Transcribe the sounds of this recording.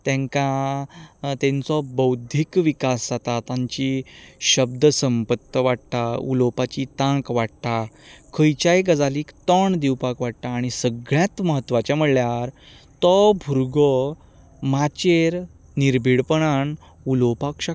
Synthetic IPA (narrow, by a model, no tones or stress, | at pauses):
t̪ɛ̃ŋka | t̪ɛ̃nt͡sɔbəwd̪ʱikʋikaszat̪at̪aɲt͡ɕiɕəb̚d̪əsəmpət̪ːəʋaɽt̪aṵlopat͡ɕit̪ãŋkʋaɽt̪akʰəjt͡ɕajɡəd͡zaliːkt̪ɔɳd̪iwpakʋaɽt̪aːɽ̃isəɡɭjãt̪məɦət̪ːʋat͡ɕjaməɭlːjaɾ | t̪ɔbʱuɾɡɔ | mat͡ɕeɾ | niɾbʱiɽpəɳan | ulopakɕa